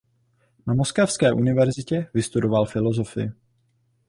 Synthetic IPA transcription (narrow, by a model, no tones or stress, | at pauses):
namoskafskɛːʔunɪvɛɾzɪcɛvɪst̪udo̞valfɪlo̞zo̞fɪ̰ɪ